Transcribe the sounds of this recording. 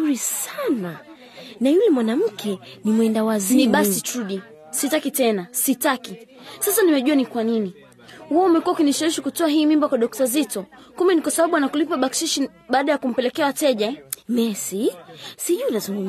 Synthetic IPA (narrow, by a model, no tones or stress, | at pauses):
uɾisana | najulɛmwanam̩kʰɛnimwɛndawazniɓaitɾuɗi | sitakitɛnasitaki | sasanimɛʄuanikwanini | huɔumɛkuaukiniʃawiʃikutɔaɦiːmimbakwaɗɔk̚tazitɔ | kumɛnikwasaɓaɓuanakulipaɓakʃiʃi | ɓaːɗajakum̩pɛlɛkɛawatɛʄaɛmɛsisiʄuilazuŋɡum